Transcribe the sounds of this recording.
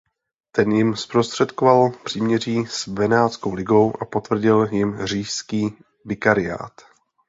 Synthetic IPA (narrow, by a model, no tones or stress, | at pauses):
t̪ɛnjɪmspɾost̪r̝̥ɛt̪kovalpr̥iːmɲɛriːsvɛnaːt͡skowlɪɡo̞wʔapo̞t̪vr̩ɟɪljɪmr̝iːʃskiː | vɪkaɾɪja̰ːt̪